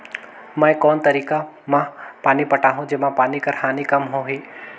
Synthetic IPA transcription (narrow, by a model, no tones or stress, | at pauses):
mə̃ẽkɔːnt̪əɾiːka | mãpaːnipɐʈaːɦũd͡ʒeːmãpaːnikɐɾhaːnikɐmɦõɦiː